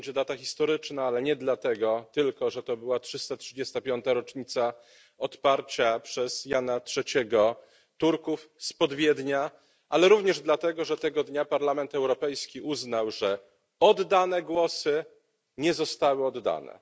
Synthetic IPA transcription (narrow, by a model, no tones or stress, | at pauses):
d͡ʑɛd̪at̪axʲist̪ɔɾɘt͡ʂnaalɛɲɛd̪lat̪ɛɡɔt̪ɘlkɔʐɛt̪ɔbɘwatʂɘst̪atʂɘd͡ʑɛst̪apʲjɔnt̪aɾɔt͡ʂɲit̪sa | ɔt̪paɾt͡ɕapʂɛz̥janatʂɛt͡ɕɛɡɔ | t̪uɾkufspɔd̪vʲjɛd̪ɲa | ʔalɛɾuvɲɛʐd̪lat̪ɛɡɔʐɛt̪ɛɡɔd̪ɲapaɾlamɛnt̪ɛwɾɔpɛjskʲiʔuznawʐɛ | ɔd̪ːanɛɡwɔsɘ | ɲɛzɔst̪awɘɔd̪ːa̰nɛ̰